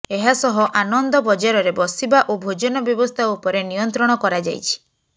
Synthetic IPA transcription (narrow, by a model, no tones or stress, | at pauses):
eɦasɔɦɔʔanɔnd̪ɔbɔd͡ʒaɾɔɾebɔsibaʔobʱod͡ʒɔnɔbjɔbɔst̪ʰaupɔɾenijɔnt̪ɾɔɽ̃ɔkɔɾad͡ʒajt͡ʃʰi̥